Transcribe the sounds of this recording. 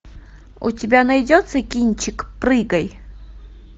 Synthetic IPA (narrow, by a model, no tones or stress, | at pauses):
ṵtʲɪbʲanajdʲot̪sɨkʲinʲt͡ɕɪkprɨɡɐj